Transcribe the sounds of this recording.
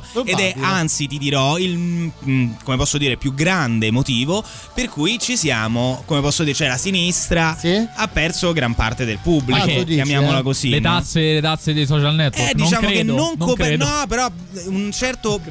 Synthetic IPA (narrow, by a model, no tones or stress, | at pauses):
ed̪ɛant̪sit̪id̪iɾɔil | komepɔsːod̪iːɾepjuɡɾand̪emot̪iːvo | perkujt͡ʃisjaːmokomepɔsːod̪iːɾet͡ʃoɛlasinist̪ɾaiapːɛrt̪soɡɾampa̰rt̪ed̪elpubːlidjamjaːmolakozilet̪asːelet̪asːed̪ejsɔt͡ʃalnɛt̪ːɛd̪it͡ʃaːmoekennːoŋkoenɔpːeɾɔ | unt͡ʃɛrt̪o